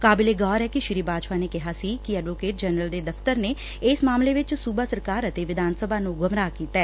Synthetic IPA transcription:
kaːbɪleːɡaːɾɛːkiʃɪɾiːbaːd͡ʒpaːnekɪɦaːsiːkiəɖʋoːkeːʈ̚d͡ʒɛnɾəld̪eːd̪əft̪əɾneː | smaːmleʋɪt͡ʃsuːbaːsəɾkaːɾət̪eːʋɪd̪ʱaːnsəbʱaːnũːɡʊmɾaːkiːt̪aɛː

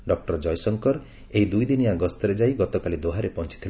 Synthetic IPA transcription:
ɖɔk̚ʈɔɾd͡ʒɔjsɔŋkɔɾ | eid̪ujd̪inijaɡɔst̪ɔɾed͡ʒajɡɔt̪ɔkalid̪oɦaɾepɔnt͡ʃi̥t̪ʰil

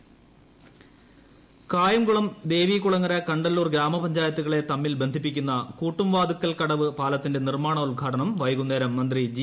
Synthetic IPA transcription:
kaːjɐmkuɭɐmd̪e̞ːʋiːkuɭɐŋːɐɾɐkɐɳɖɐlːuːrɡɾaːmɐpɐɲd͡ʑaːjɐt̪ːuɣɐɭe̞t̪ɐmːilbe̞nd̪ʱipːikʲːunːɐkuːʈːumʋaːd̪ikːɐlkɐɽɐʋɨpaːlɐt̪ːinde̞nirmaːɳɐulɡʱaːʈɐɳɐmʋɐjɐɣunːeːɾɐmːɐnd̪rid͡ʑi

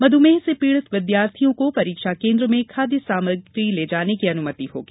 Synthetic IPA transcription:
mɐd̪ʱumẽːsepiːɭət̪ʋɪd̪jaːɾt̪ʰijõkopɐɾiːkʃakẽːnd̪ɾəmẽkʰaːd̪jisaːməɾɡɾileːd͡ʒaːnekiɐnʊmət̪iɦo̰ːɡiː

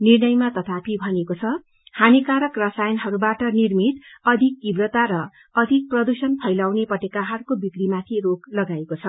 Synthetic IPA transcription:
nirnʌjmat̪ʌt̪ʰapʰibʱʌnekot͡sʰʌ | hanikaɾʌkrʌsajʌnɦʌɾubaʈʌnirmit̪ʌd̪ʱikːibrʌt̪aɾʌ | ʌd̪ʱik̚prʌd̪usʌnpʰʌjlawnepʌʈekaɦʌrkobikɾimat̪ʰiɾoklʌɡaekot͡sʰʌ

